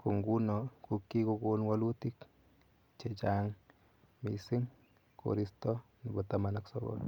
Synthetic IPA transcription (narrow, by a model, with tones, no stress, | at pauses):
ku˨ŋɡu˦nɔkukːi˦ko˧ko˦nwalu˦ti˦k | t͡ʃe˨t͡ʃaŋ | mi˨sɪ˦ŋ | ko̰˨ɾi˦stɔ˦ni˨bɔtama˦naksɔ̰bɔ̰l